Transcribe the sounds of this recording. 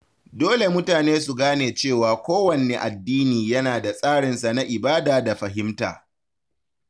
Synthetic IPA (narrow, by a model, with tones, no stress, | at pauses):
doː˦le˨mʊ˦taː˨neː˦su˨ɡaː˦neː˨t͡ʃeː˦˨waː˨kʷoː˦wɐ˨neː˦ʔa˨dːiː˦niː˨jɐ˦naː˨da˨sʼaː˦ɽɪ˨nsa˨na˦ʔɪ˨baː˦daː˨da˨ɸɐ˨ɦɪ˦mta̰ː˨